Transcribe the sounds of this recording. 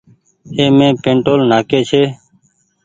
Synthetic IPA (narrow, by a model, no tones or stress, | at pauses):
eːmẽːpẽːɳʈoːlnaːkeːt͡ʃʰeː